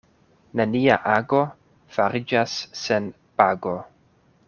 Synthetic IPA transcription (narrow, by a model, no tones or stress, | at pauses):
nania̰ʔaɡo̞ | faɾid͡ʒasːen | paɡo̞